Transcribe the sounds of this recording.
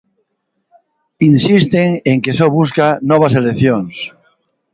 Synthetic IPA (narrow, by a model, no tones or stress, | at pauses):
insist̪eŋeŋkesoβuskanɔβ̞aseleθjoŋs